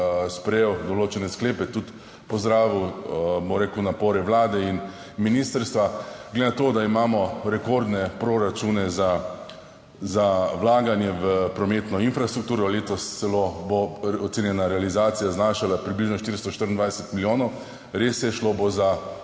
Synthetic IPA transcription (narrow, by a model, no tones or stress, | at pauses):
spɾɛjewd̪ɔloːt͡ʃɛnɛskleːpɛt̪ut̪ | pɔzd̪ɾaːʋiwboɾeːkəwnapoːɾɛʋlaːd̪ɛin | minist̪əɾst̪ʋaɡ̥led̪enat̪oːd̪aimaːmɔɾɛkoɾd̪nɛpɾoɾat͡ʃunɛza | zawlaːɡanjɛʋəpɾɔmeːt̪nɔinfɾast̪ɾukt̪uːɾɔleːt̪ɔssɛloboɔt̪seːnʲjɛnaɾɛalizaːt̪sijaznaːʃalapɾibliʒnɔʃt̪iɾst̪ɔʃt̪əɾənd̪ʋajsɛt̪miljoːnɔw | ɾeːsjɛʃloboza